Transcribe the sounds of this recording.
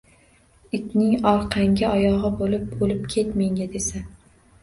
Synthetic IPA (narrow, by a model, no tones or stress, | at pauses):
ɪkʲnɪŋɒɾqʰɑŋɡʲaʔɒjɒʁɨbolɪp̚bolɪp̚kʲʰe̞t̪meŋɡʲad̪e̞sa